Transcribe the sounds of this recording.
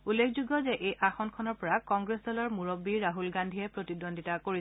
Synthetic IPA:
ulːekʰzuɡɔzɛʔejʔaxɔnkʰɔnɔɹpɔɹakɔŋɡɹesdɔlɔɹmuɹobːiɹaɦulɡandʱijɛpɹotidondʱitakoɹisɛ

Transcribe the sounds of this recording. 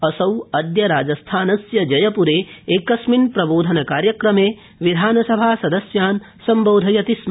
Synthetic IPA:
ɐsɐwɐd̪jɐɾaːd͡ʒɐst̪ʰaːnɐsjɐd͡ʒɐjɐpuɾeːeːkɐsminpɾɐboːd̪ʱɐnɐkaːɾjɐkɾɐmeː | ʋid̪ʱaːnɐsɐbʱaːsɐd̪ɐsjaːn | sɐmboːd̪ʱɐjɐt̪ism

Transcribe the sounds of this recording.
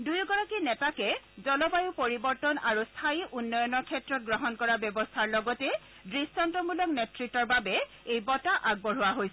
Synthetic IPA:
dujuɡɔɹakinɛtakɛ | zɔlɔbajʊpoɹibɔɹtɔnaɹust̪ʰaiʔunːɔjɔnɔɹkʰɛtɹɔt̚ɡɹɔɦɔnkɔɹabɔbɔstʰaɹlɔɡɔtɛ | dɹistɔntɔmulɔk̚nɛtɹitːɔɹbabɛ | ejbɔtaʔaɡ̚bɔɹʊwaɦojsɛ

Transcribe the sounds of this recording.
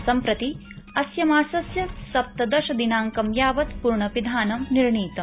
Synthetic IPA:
sɐmpɾɐt̪i | ɐsjɐmaːsɐsjɐsɐp̚t̪ɐd̪ɐʃɐd̪inaːŋkɐmjaːʋɐt̪puɾɳɐpid̪ʱaːnɐmniɾɳiːt̪ɐ

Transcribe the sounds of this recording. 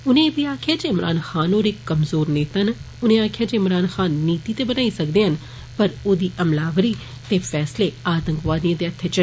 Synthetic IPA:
ʊnẽːbiːaːkʰjaːd͡ʒeɪmɾʔa̰ːnxaːnoːɾekːəmzoːɾneːt̪ən | ʊnẽːaːkʰɪjaːd͡ʒeɪmɾaːnxaːnːiːt̪iːt̪eːbənaːisəkd̪eːɦən | pəɾoːd̪iːʔəmlaːʋɾiː | t̪eːfʰɛːsleːaːt̪əŋkʋaːd̪iãːd̪eːət̪ʰːeːt͡ʃə

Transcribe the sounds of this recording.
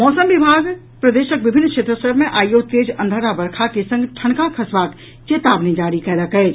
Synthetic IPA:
mɔːsəmʋɪbʱaːɡ | pɾɐd̪eːʃək̚ʋɪbʱɪnːkʃeːt̪ɾəsəɾbʱmẽʔaːjoːt̪eːd͡ʒɐ̃nd̪ʱəɾabɐɾkʰakesɐ̃ŋɡʈʰɐɳ̃kakʰɐsʋaːt̪ | t͡ʃeːt̪aːbnid͡ʒaːɾikɛːlakɛe

